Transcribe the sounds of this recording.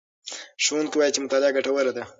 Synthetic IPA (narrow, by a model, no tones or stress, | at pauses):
ʃuwund̪kewɑjit͡ʃemʊt̪alɪaɡaʈawəɾad̪a